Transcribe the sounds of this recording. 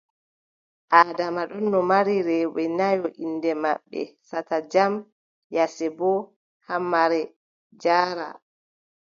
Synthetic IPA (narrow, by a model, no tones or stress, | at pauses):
ʔaːdamaɗɔnːɔmaɾiɾɛwɛnajɔʔindɛma̰ɓːɛ̰satad͡ʒam | jasɛbɔ | hamːaɾɛ | d͡ʒaːɾa̰